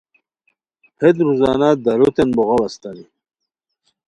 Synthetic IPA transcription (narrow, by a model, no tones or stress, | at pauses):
hed̪ɾuzɑːnad̪ɐɾut̪enboɣawast̪ani